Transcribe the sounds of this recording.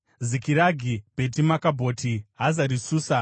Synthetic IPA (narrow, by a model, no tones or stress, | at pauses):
zikiɾaɡʱib̥e̞t̬imakabʱo̞ːtʰiɦazaɾisuːsa